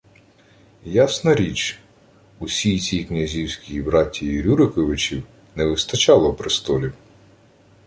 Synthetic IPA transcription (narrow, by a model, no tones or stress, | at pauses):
jasnɐɾʲit͡ʃ | usʲijt͡sʲijknʲɐzʲiwsʲkʲijibɾɑtʲːijiɾʲuɾɪkɔʋɪt͡ʃʲiw | nɛʋɪst̪ɐt͡ʃɑlˠɔwpɾɪst̪ɔlʲi